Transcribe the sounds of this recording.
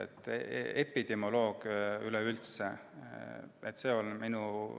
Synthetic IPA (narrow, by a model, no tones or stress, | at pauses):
et̪ːˑepːˑid̪̥emolo̞ːɡ̥ylɛylt̪se | et̪ːˑse̞ːo̞lminu